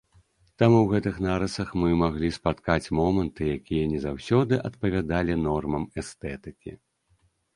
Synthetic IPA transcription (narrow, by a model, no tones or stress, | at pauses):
t̪amuwɣɛt̪ɨxnaɾɐsɐxmɨmaɣlʲispat̪kat͡sʲmɔmɐnt̪ɨjakʲijɐnʲɛzawsʲɔd̪ɨʔɐt̪pɐvʲad̪alʲinɔrmɐmɛst̪ɛt̪ɨkʲḭ